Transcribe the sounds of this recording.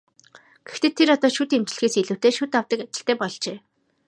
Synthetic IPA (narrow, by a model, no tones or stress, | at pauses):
ɡ̥ext̪eːt̪ʰːeɾɔt̪ɔːʃut̪emt͡ɕ̆ɮxeːsiɮŭwʰt̪eːʃuːt̪awt̪ə̆kat͡ɕɪ̆ɬt̪æːpɔɮt͡ɕeː